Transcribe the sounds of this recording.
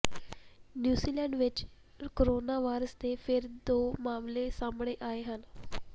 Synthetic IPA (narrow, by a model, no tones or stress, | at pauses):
njuːziːlɛ̃ːɳɖʋɪt͡ʃ | koɾoːnaːʋaːɪɾəst̪epʰɪɾd̪oːmaːmlesaːmɽ̃eʔaːeɦən